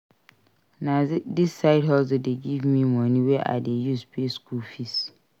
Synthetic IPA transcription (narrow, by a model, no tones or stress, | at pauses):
nãdisːaɪdɦɔzodeɡivmĩmɔ̃nĩwɛʔa̰dejuspʰeskʰulfis